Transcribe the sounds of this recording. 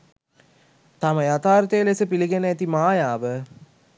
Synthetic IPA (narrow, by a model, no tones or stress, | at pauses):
t̪aməjat̪aːɾt̪əjəlesəpiliɡenəæt̪imaːjaːʋə